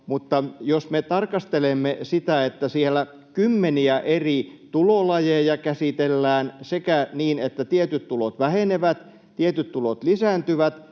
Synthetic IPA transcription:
mut̪ːɑjosmet̪ɑrkɑst̪elemːesit̪æet̪ːæsielːˑæ | kymːeniæʔerit̪ulolɑjejɑkæsit̪elːæːnsekæniːnet̪ːæt̪iet̪yt̪t̪ulot̪ʋæheneʋæt̪ | t̪iet̪yt̪t̪ulot̪lisæːnt̪yʋæt̪

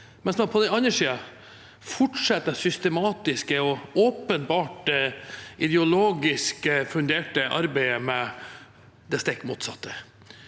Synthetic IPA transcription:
mɛnsmɑnpʰɔd̪ɛɑnːəʂiːə | fɔʈʂɛt̪ːəsʏst̪əmɑːt̪ɪskəɔɔːpənbɑːʈ | ʔɪd̪ɛʊloːɡɪskəfʉnd̪eːʈəʔɑ̰ɾbæɪəmɛ | d̪ɛst̪ɛkːmṵːt̪sɑ̰t̪ʰːə̥

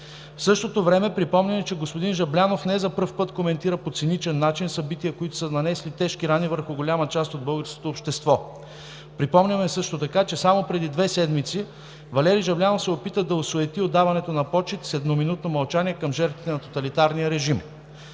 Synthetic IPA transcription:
fsɤʃt̪ot̪ovɾɛmɛpɾipɔmnʲɐmɛt͡ʃɛɡospod̪inʒɐblʲanofnɛzɐpɤɾfpɤt̪komɛnt̪iɾəpot̪sinit͡ʃɛnːat͡ʃinsɐbit̪ijəkoit̪ʊ̥sənɐnɛslit̪ɛʃkiɾanivəɾxʊɡolʲamɐt͡ʃast̪od̪̚bɤlˠɡəɾsko̥t̪oːpʃt̪ɛst̪vɔ | pɾipɔmnʲəmɛsɤʃt̪ot̪ɐkat͡ʃɛsamopɾɛd̪id̪vɛsɛd̪mit̪si | vɐlɛɾiʒɐblʲanofsɛopit̪əd̪ɐosoɛt̪iod̪ːavɐnɛt̪onɐpɔt͡ʃit̪sɛd̪nominut̪̚nomɐlˠt͡ʃaniɛkɐmʒɛɾt̪vit̪ɛnɐt̪ot̪ɐlit̪aɾnijəɾɛʒim

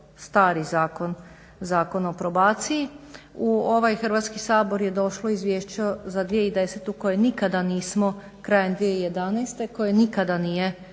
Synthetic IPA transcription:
st̪aːɾizaːko̞n | zaːko̞nopɾo̞baːt̪siiuo̞ʋajxr̩ʋat̪skisaːbo̞ɾje̞d̪o̞ʃlˠo̞izʋjeːʃt͡ɕozad̪ʋie̞id̪e̞set̪uko̞jenikad̪aniːsmo̞ | kɾaːjend̪ʋijeije̞d̪anɛjst̪e̞ko̞jenikad̪anije̞

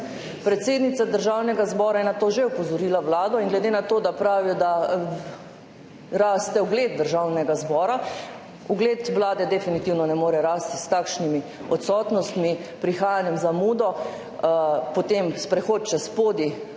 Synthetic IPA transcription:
pɾɛt̪seːd̪nit̪sad̪əɾʒawnɛɡazbɔːɾajɛnat̪oːʒeupɔzɔɾiːlaʋlaːd̪ɔiŋɡlɛd̪enat̪oːd̪apɾaːʋijɔd̪a | ɾaːst̪ɛɔɡleːd̪̚d̪əɾʒawnɛɡazbɔːɾa | uɡleːt̪ʋlaːd̪ɛd̪ɛfinit̪iwnɔnɛmoːɾɛɾaːst̪i̥st̪akʃnimi | ɔt̪sɔːt̪nɔst̪mipɾixaːjanjɛmzamuːd̪ɔ | pɔt̪emspɾɛxoːt̪̚t͡ʃaspoːd̪i

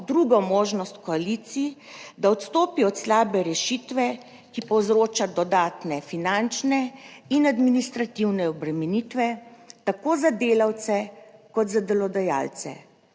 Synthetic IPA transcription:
d̪ɾuɡɔmoːʒnɔst̪kɔalit̪sid̪aɔt̪st̪oːpiɔt̪slaːbɛɾɛʃit̪ʋɛ | kipɔwzɾoːt͡ʃad̪ɔd̪aːt̪nɛfinant͡ʃnɛinad̪minist̪ɾat̪iwnɛɔbɾɛmɛnit̪ʋɛt̪akoːzad̪eːlawt̪sɛkɔt̪zad̪ɛlɔd̪aja̰lt̪sɛ̰

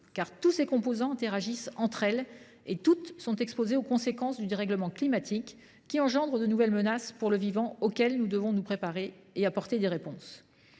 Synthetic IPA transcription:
kaʁt̪usekɔ̃pozɑ̃ɛ̃t̪eʁaʒisɑ̃t̪χɛl | et̪ut̪sɔ̃t̪ɛkspozeokɔ̃sekɑ̃sd̪yd̪eʁɛɡləmɑ̃klimat̪ʰikː | iɑ̃ʒɑ̃d̪ʁəd̪ənuvɛlmənaspuʁləvivɑ̃okʲɛlnud̪əvɔ̃nupχepaʁeeapɔʁt̪ed̪eʁepɔ̃s

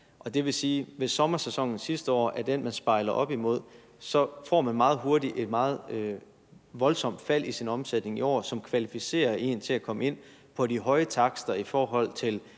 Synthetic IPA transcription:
ʔɒ̽d̥e̝ʋe̝siːʋe̝sɒ̽mɐsesɒ̽ŋ̰n̩sisd̥əɒ̰ːʔæɐd̥enmænsb̥ɑ̈ɪlɐʔɒ̽b̥imo̝ð̞̰ˠ | sɒ̽fɒ̰ːmænmɑ̈ːð̩ˠɦo̝ɐdiʔe̝d̥mɑ̈ːð̞̩ˠø | ʋɒ̽lsɒ̽m̰d̥fæl̰ʔisinɒ̽msed̥ne̝ŋiɒ̰ːsɒ̽mkʰʋælifise̝̰ːɐe̝̰ːnt͡sʰe̝lækʰɒ̽məe̝n̰pʰɒ̽diɦɒ̽ɪət͡sʰɑ̈ɡ̥sd̥ɐifɒːɦɒ̽l̰t͡sʰe̝l

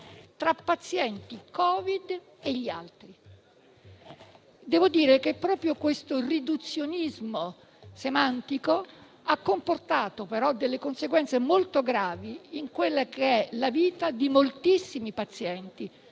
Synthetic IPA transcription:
t̪ɾapːat̪sjɛnt̪ikɔːvid̪ | eʎːialt̪ɾi | d̪ɛːvod̪iːɾekepːɾɔːpɾjokwest̪orid̪ut̪sːjonizmo | semant̪iko | akːomport̪aːt̪opeɾɔd̪ːelːekonseɡwɛnt̪semolt̪oɡɾaːviiŋkwelːakeɛlaviːt̪ad̪imolt̪isːimipat̪sjɛnt̪i

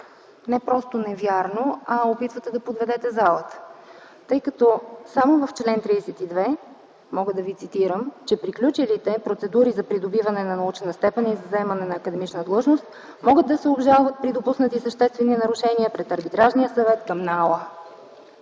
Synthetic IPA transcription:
nɛpɾɔst̪onɛvjaɾnoɐopit̪vət̪ɛd̪ɐpod̪vɛd̪ɛt̪ɛzalˠət̪ə̥ | t̪ɤjkɐt̪ɔsamovɐft͡ʃlɛnt̪ɾisɛt̪id̪vɛ | mɔɡəd̪ɐvit̪sit̪iɾəmt͡ʃɛpɾiklʲut͡ʃilit̪ɛpɾot̪sɛd̪uɾizɐpɾid̪obivɐnɛnɐnɐut͡ʃɛnəst̪ɛpɛnizɐzɛmɐnɛnɐːkəd̪ɛmit͡ʃnəd̪lˠɤʒnost̪̚ | mɔɡəd̪̚d̪ɐsɛobʒalˠvɐt̪̚pɾid̪opusnət̪isəʃt̪ɛst̪vɛninɐɾuʃɛniəpɾɛt̪ɐɾbit̪ɾaʒnijəsɐvɛt̪kɐmnalˠə

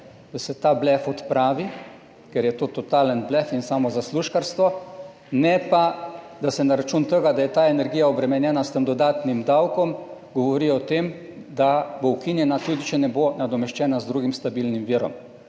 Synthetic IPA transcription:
d̪̥asɛt̪aːblɛfɔt̪pɾaːʋi | kɛɾjɛt̪oːt̪ɔt̪aːlənblɛfinsaːmɔzasluʃkaɾst̪ʋɔ | nɛpad̪asɛnaɾat͡ʃunt̪əɡad̪ajɛt̪aːɛnɛɾɡiːjaɔbɾɛmɛnjɛːnast̪əmd̪ɔd̪aːt̪nimd̪awkɔmɡɔʋɔɾiɔt̪eːmd̪abowkinjɛnat̪ud̪it͡ʃɛnɛbonad̪ɔmɛʃt͡ʃɛːnazd̪ɾuɡimst̪abilnimʋiːɾɔ̰m

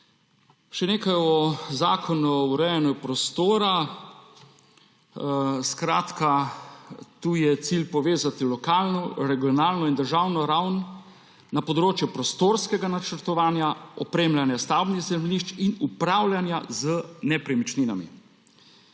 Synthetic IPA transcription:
ʃɛneːkajɔzaːkʰɔnuuɾɛjɛnjupɾɔst̪oːɾa | skɾaːt̪ka | t̪uːjɛt̪siːlpɔʋeːzat̪ilɔkaːlnɔɾɛɡijɔnaːlnɔind̪əɾʒawnɔɾawnː | apɔd̪ɾoːt͡ʃjɛpɾɔst̪oːɾskɛɡanat͡ʃəɾt̪ɔʋaːnjaɔpɾeːmlʲanjast̪awbniɣzɛmllniʃt͡ʃinupɾaːwlʲjanjazənɛpɾɛmit͡ʃninamḭ

